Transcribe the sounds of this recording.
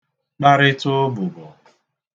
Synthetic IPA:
k͡pa˦ɾɪ˦tʊ˦bʊ˨ɡɔ˨

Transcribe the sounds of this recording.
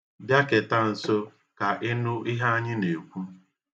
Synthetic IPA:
bja˦ke˨ta˦n̩˨so˦ | ka˨ʔɪ˦nʊ˦ʔɪ˦ɦa˦a˦ɲɪ˦ne˨kʷu˦

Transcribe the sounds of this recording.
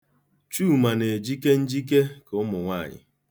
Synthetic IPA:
t͡ʃuː˦˨ma˨ne˨d͡ʒi˦ke˦n̩˦d͡ʒi˦k̬e˦kʊ˦mʊ˨ŋʷa˦˨ɲɪ̰˨

